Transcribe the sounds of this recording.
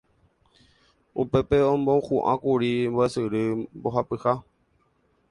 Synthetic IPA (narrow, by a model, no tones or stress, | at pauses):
ṵpe̞pe̞õmbohũʔã̰kuɾimboesɨɾɨmboɦapɨha